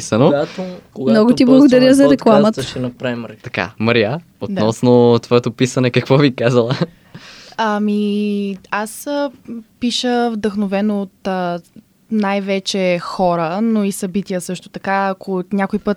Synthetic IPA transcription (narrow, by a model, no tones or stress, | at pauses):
isənoat̪okɡmnɔɡʊt̪iblˠɐɡod̪ɐɾʲjəzɐɾɛklˠamət̪t͡ʃɛnɐpɾavimɾt̪ɐka̰məɾija | ot̪nɔsnot̪vɔɛt̪opisɐnɛkɐkvɔvikazəlˠə | ami | as | piʃəvd̪əxnovɛnoːt̪ | najvɛt͡ʃɛxɔɾənoisɐbit̪iəsɤʃt̪o̥t̪ɐkaːkonʲakojpət̪